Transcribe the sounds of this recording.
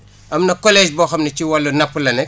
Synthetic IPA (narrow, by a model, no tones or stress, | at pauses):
ɐmnɐkɔlɛːʃbɔːxɐmnɐt͡ʃiwɐlːunɐpːulɐnɛk